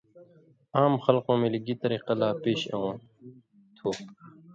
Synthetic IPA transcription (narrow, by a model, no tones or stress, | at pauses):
aːmxɐlqõːmẽliɡit̪ɐɾiːqɐlaːpeːɕɐ̰õː | t̪ʰoː